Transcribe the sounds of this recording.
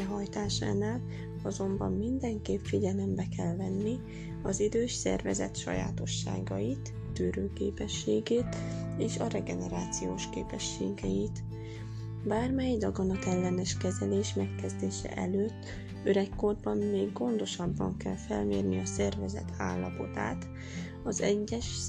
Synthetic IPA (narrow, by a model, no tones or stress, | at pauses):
ɛɦɒjt̪aːʃaːnaːl | ɒzo̞mbɒmːind̪ɛŋkeːpfiɟɛlɛmbɛkɛlvɛnːi | ɒzid̪øːʃsɛ̰rvɛzɛ̰t̪ʃɒ̰ja̰ːt̪o̞ʃːa̰ːɡɒjit̪ːøːɾøːkḛːpɛʃːeːɡeːt̪eːʃɒɾɛɡɛnɛɾaːt̪sijoːʃkḛːpɛʃːeːɡɛjit̪ | baːrmɛjd̪ɒɡɒnɒkɛlːɛnɛʃkɛzɛleːʃmɛkkɛzd̪eːʃɛ̰ʔɛløːt̪ː | øɾɛkːo̞rbɒmmeːɡːo̞nd̪o̞ʃɒbːɒ̰ŋkɛlfɛlmeːrniɒsɛrvɛzɛ̰t̪ʰa̰ːlːɒpo̞t̪a̰ːt̪ | ɒzɛɟːɛʃ